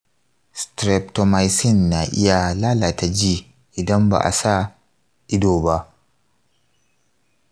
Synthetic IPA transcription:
stɾɛ˨p̚tɔ˨ma˨jsɪ˦˨nːa˨ʔɪ̰˦ja˨laː˦la˨ta˨d͡ʒiː˦ | ʔɪ˨dɐ˦mba̰ː˨ʔa̰˨sa˦ | ʔɪ˦doː˨ba˦ʔ

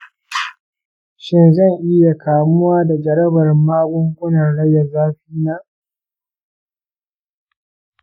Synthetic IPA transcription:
ʃɪ˦nzɐ˦˨ŋʔɪ˦ja˨kʰaː˨mʊ˦waː˦da˨d͡ʒɐ˨ɽɐ˦bɐ˨rmaː˦ɡʷʊ˦ŋkʷʊ˦nɐ˨rɽɐ˦jːa˨zaː˦ɸiː˦naː˦ʔ

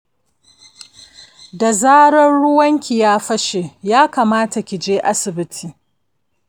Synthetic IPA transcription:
da˨zaː˦ɽɐ˦nɽʊ˦wɐ˦ŋkʲi˨jaː˦ɸɐ˦ʃe˨jaː˦kaː˨maː˦ta˨kʲiɪ˨d͡ʒeː˦ʔa˦sɪ˨bɪ˦tʰiː˨

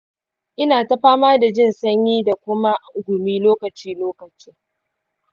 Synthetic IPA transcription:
ʔɪ˦naː˨ta˦ɸaː˦maː˦da˨d͡ʒɪ˦˨nsɐ˦ɲjiː˦da˨kʷʊ˦ma˦ʔa˨ʔʊ˨ɡʷʊ˨miː˦loː˦kɐ˨t͡ʃiː˦loː˦kɐ˨t͡ʃiː˦

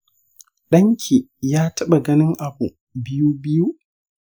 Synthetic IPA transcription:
ɗɐ˦ŋkʲʰi˨jaː˦tɐ˦ɓa˨ɡɐ˦nɪ˦ŋʔa˨bṵ˨ | bɪ˦juː˦bɪ˦ju˦

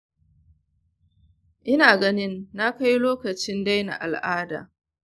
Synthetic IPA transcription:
ʔɪ˦naː˨ɡɐ˦nɪ˦nːa˦ka˦jloː˦kɐ˨t͡ʃɪ˦nda˦jna̰˨ʔa̰˨lʔaː˦da̰ː˨

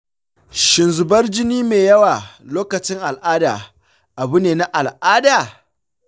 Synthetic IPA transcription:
ʃɪ˨nzʊ˨bɐ˦rd͡ʒɪ˦niː˦meː˨jɐ˦waː˨loː˦kɐ˨t͡ʃɪ˦ŋʔa˨lʔaː˦da̰ː˨ | ʔa˨bʊ˦neː˨na˦ʔa˨lʔaː˦daː˨

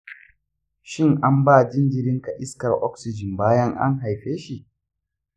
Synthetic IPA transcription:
ʃɪ˦ŋʔa˦mbaː˦˨d͡ʒɪ˦nd͡ʒɪ˨ɾɪ˦ŋka˨ʔɪ˦skɐ˨rʔɔ˦ksɪ˨d͡ʒɪ˨mbaː˦jɐ˦ŋʔa̰˦ŋɦa˨jɸeː˦ʃi˨ʔ

